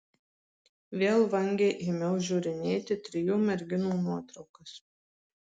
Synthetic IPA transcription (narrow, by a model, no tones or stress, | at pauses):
ʋʲeːlˠʋɐŋʲɡʲeːʔɪmʲɛʊʒʲuːɾʲɪnʲeːt̪ʲɪt̪ʲɾʲɪjuːmʲɛɾʲɡʲɪnuːnuɔt̪ɾɒʊkɐs